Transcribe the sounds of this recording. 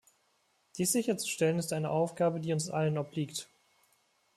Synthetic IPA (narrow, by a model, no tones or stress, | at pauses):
d̥iːsz̥ɪçɐt͡su̥ʃtɛlənɪstʔaɪnəʔaʊfɡ̥aːbədiːʊnsʔa̰lənɔp̚liːkt